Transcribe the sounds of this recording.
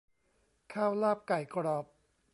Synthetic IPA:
kʰaː˥˩wlaː˥˩p̚ka˨˩jkɾɔː˧˩p̚

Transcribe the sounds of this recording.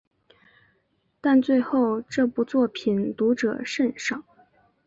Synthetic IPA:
t̪a˥˧nt͡swe˥˧ɪxo˥˧ʊʈ͡ʂɤ˥˩pu˧˥t͡swɔ˥˩pʰi˨˩nt̪u˧˥ʈ͡ʂɤ̰˨˩ʂə˥˧nʂɑ˥˩ŋ

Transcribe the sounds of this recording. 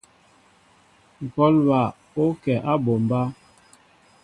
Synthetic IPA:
ŋ̩˨kɔ˦lba˨ | o˦kɛ˨ʔa˦bo˨m˨ba˦

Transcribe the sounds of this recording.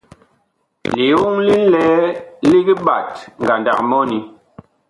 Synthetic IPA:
li˨wu˦ŋli˦lɛː˨˦li˦ɡi˦ɓa˨t̚ŋ˨ɡa˨nda̰˨k̚mɔ˦ni˨

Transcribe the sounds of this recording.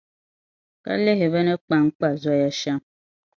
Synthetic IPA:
ka̰˦le˦ɦe˨βɛ˦ne˦k͡pa˦ŋ̩˦k͡pa˨za˦ja˦ʃa˦m

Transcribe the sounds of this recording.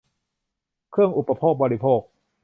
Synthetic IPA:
kʰɯ˥˩əŋʔu˨˩pːa˧pʰoː˥˩k̚bɔː˧ɾi˦˥pʰoː˥˩k̚

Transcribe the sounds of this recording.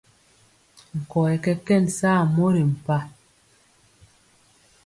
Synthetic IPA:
ŋ̩˨kɔ˨ɛ˨kɛ˦kɛ˦˨nsaː˦˨mo˦ɾi˨m̩˨pa˦

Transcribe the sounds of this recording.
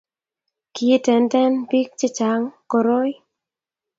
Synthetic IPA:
ki˨˦tɛ˨ntɛ˦npi˦k̚t͡ʃɪ˦t͡ʃa˨˦ŋkɔ˨ɾo˦j

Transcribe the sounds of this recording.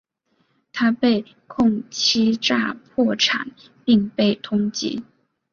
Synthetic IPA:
t̪ʰa˥pe˥˧ɪ | kʰʊ˥˧ŋt͡ɕʰi˥ʈ͡ʂa̰˥˧pʰwɔ˥˩ʈ͡ʂʰa̰˨˩˦n | pi˥˧ŋpe˥˩ɪt̪ʰʊ˥ŋt͡ɕḭ˧˥

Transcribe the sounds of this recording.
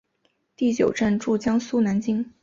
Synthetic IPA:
t̪i˥˩t͡ɕjo˨˩ʊʈ͡ʂə˥˧nʈ͡ʂu˥˩t͡ɕjɑ˥ŋsu˥na˧˥nt͡ɕi˥ŋ

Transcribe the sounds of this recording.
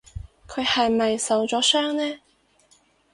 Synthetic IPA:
kʰɵ˨˧ɥhɐ˨jmɐ˨jsɐ˨˧wt͡sɔː˨˥sœː˥ŋnɛː˥

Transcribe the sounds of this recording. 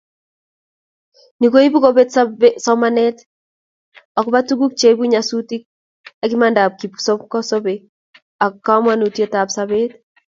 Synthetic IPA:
ni˨ko˦i˦bu˦ko˦be˦tsbesɔ˦ma˦nɛt | ɔ˨kba˦tu˦ɡu˦k̚t͡ʃe˨˦bu˦ɲa˨su˦ti˦k̚ | aki˦ma˦nda˨p̚ki˨pso˦pkɔ˦so˦be | a˨kkːa˦mwa˦nu˨tje˦ta˨psaβe˦t

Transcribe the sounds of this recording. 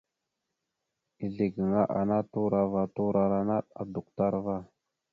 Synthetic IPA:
i˨ɮe˨ɡə˨ŋa˦ʔa̰˨na˦tu˦ɾa˦va˨tu˦ɾa˨ɾa˨na˦ɗa̰˨du˨k̚ta˦ɾva˦

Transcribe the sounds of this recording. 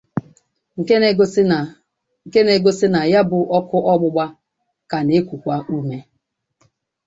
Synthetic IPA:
ŋ̩˨˦˨ | ke˦ne˨ɡo˦sɪ˦na˨ja˦bʊ˨ʔɔ˦kʊ˦ʔɔ˦ɡ͡bʊ˦ɡ͡ba˦ | ka˨ne˦kʷu˨kʷa˦ʔu˦me˦

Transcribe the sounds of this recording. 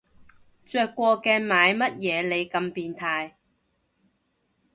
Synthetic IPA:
t͡ʃœː˨˧kːʷɔː˧kɛː˧maː˨˧jmɐ˥t̚jɛː˨˧le˨˧jkɐ˧mpiː˧nt̪ʰaː˧j

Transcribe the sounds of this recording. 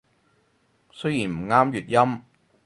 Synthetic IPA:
sɵ˥ɥjiː˨˩nm̩˨˩ŋaː˥mɥyː˨t̚jɐ˥m

